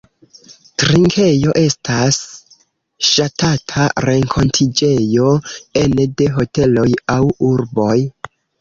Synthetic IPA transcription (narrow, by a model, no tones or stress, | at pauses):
tɾiŋkʰe̞jo̞ʔe̞stʰas | ʃatatʰaɾe̞ŋkʰo̞ntʰid͡ʒe̞jo̞ende̞ɦo̞te̞lo̞jawuɾbo̞j